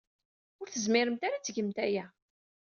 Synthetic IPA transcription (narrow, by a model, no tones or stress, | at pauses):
ʊɾθəzmɪɾəmt̪aɾat͡sːəʝəmt̪æjæ